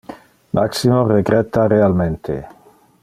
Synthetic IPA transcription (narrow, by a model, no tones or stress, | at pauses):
mʔaksimoreɡɾɛt̪aɾealmẽnt̪ʰḛ